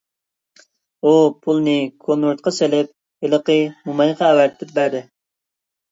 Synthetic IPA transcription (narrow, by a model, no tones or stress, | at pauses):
upʰulˠnɪkʰonuɾt̪̚qʰɑselɪp̚ | ɪləqəmumɑjqʰɑːwæɾt̪d̪ɛp̚bæɾd̪ɪ